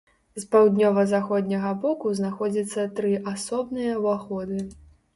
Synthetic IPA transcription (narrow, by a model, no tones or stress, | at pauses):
zpawd̪ʲnʲɔvɐzaxɔd̪ʲnʲɐɣɐbɔkuznaxɔd͡zʲɐt̪sːɐt̪ɾɨʔasɔbnɨjɐwaxɔd̪ɨ